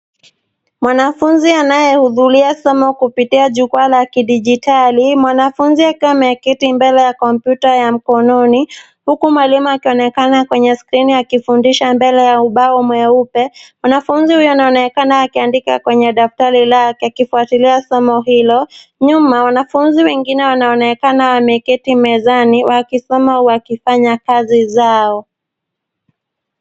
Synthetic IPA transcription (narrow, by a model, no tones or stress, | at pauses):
mwanafunzianajɛhuðuɾiasɔmɔkupitiaʄukualakiɗiʄitalimwanafunziakiwamɛkitimbɛlɛjakɔmpjutajam̩kɔnɔni | hukumwalimuakiɔnɛkanakwɛɲɛskɾinijakifundiʃambɛlɛjauɓaɔmwɛupɛwanafunzihujɔwnaɔnɛkanaakiandikakwɛɲɛɗaftaɾilakakifuatiliasɔmɔɦilɔɲumawanafunziwɛŋɡinɛwanaɔnɛkanawamɛkitimɛzaniwakisɔmauwakifaɲakazizaɔ